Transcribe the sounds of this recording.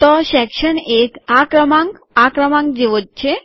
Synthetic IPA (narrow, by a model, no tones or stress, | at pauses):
t̪ɔɕɛkʃənekakɾəmãŋk | akɾəmãŋkd͡ʒeʋot̪̚t͡ʃʰe